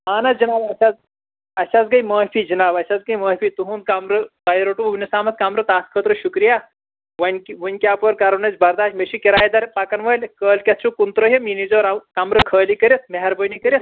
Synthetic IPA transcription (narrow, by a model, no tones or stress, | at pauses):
aːnɐd͡ʒɐnaːbɐsʲaz | ɐsʲazɡɐjməːpid͡ʒɐnaːbɐsazɡɐjməːfit̪uɦund̪̚kamɾɨt̪ɐjɾoʈuuʋnisaːmɐt̪kamɾɨt̪aːskʰəːt̪ɾɨʃukɾija | ʋɐnʲkiʋunʲkʲaːpoːɾkaɾɐnɐt͡sʲbɐɾd̪aːʃmeʃikʲiɾaːjd̪ɐɾpakɐnʋɐːlʲkəːlkʲɐt̪̚ʰt͡ʃʰukunt̪ɾoɦeminizoːɾakamɾɨkʰəːlikɐɾʲit̪meɦɐɾbənikɐɾʲis